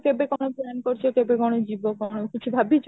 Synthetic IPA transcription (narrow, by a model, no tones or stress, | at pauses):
kebekɔnoplɛnkoɾt͡ɕʰekebekɔnod͡ʑibokɔnokit͡ɕʰubʱabit͡ɕ